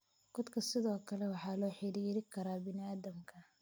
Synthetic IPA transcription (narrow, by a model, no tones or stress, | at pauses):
ɡ̥ɔd̪kʰɐsɪðɔːkʰɐlɛwɑħɑːlɔːħɪɾiːɾɪkʰɐɾaːbɪnɪaːðɐmkʰɐ